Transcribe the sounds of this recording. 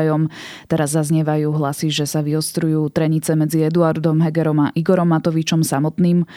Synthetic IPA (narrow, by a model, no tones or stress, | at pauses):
jɔm | t̪ɛɾazːazɲɛʋajuːɦlasiʒɛsaʋiɦɔst̪ɾujuːt̪ɾɛɲit͡sɛmɛd͡ziɛd̪uaɾd̪ɔmɦɛɡɛɾɔmaʔiɡɔɾɔmːat̪ɔʋit͡ʃɔmsamɔt̪niːm